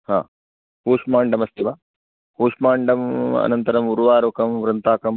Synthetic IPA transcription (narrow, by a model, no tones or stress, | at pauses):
ha̰ː | ɦuːʂmaːɳɖɐmɐst̪iʋa | huːʂmaːɳɖɐmɐ̰nɐnt̪ɐɾɐmuɾuʋaːɾokɐmʋɾɐnt̪aːkɐm